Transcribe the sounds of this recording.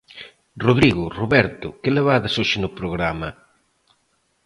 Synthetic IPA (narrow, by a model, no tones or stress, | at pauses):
roðɾiɣʊroβɛɾt̪ʊkɪleβaðɐsoʃɪnʊpɾoɣɾamɐ